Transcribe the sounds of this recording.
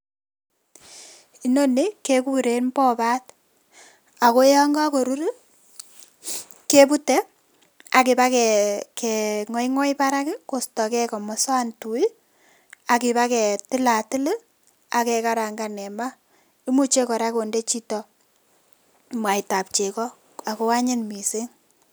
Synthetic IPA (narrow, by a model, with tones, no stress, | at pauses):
i˨no˦ni˦ke˦kuɾe˨˦npɔ˦ba˦t | a˨ko˦jɔ˦ŋɡa˦ko˨ɾu˦ɾu˦ | ke˦pu˦tɛ˦ | a˨kɪ˨pa˦kɛ˨kɛ˨ŋɔ˦iŋɔ˦ipa˦ɾa˦kɪ˦ko˨stɔ˨kɛ˦kɔ˨mɔ˨swa˦ntu˨i˦ | a˨kɪ˨βa˦kɛ˨tɪ˦la˨tɪ˦le˦ | a˨kɛ˨ka˦ɾa˨ŋɡa˨nɛ˨ma˦ | i˦mu˦t͡ʃe˦kɔ˨ɾa˦ko˨nde˦t͡ʃi˦tɔ˦ | mwa˨jta˨p̚t͡ʃe˨kɔ˦ | a˨ko˦wa˦ɲɪ˦nmi˨se˦ŋ